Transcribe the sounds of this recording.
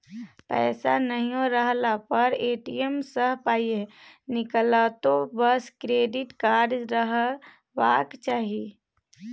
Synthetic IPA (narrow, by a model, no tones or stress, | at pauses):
pɛ̰ːsanəɦĩjõɾəɦlapəɾeːʈijəmsəɦpaːienɪkəlat̪obəskɾeːɖɪʈkaːɾd͡ʒɾəɦə | ʋaːkt͡ʃaːɦi